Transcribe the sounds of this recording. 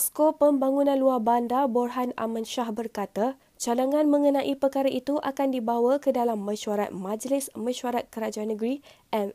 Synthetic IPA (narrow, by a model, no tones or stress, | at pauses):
skopəmbaŋunãnluarbandabɔrɦana̰mãnʃahbərkat̪a | t͡ʃadaŋãnmə̃ŋənãʔipəkaɾaʔit̪uʔakandibawakədalamːə̃ʃuaɾa̰t̪̚mãd͡ʒlɪsmə̃ʃuaɾat̪̚kəɾad͡ʒaanːəɡɾiʔɛn